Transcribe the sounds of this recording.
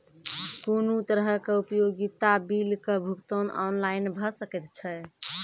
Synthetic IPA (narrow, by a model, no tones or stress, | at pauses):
punut̪əɾɦəkeupjoɡit̪abilkebʱukt̪onɔnlaɪnbʱəsəkɛt̪t͡ʃʰɛ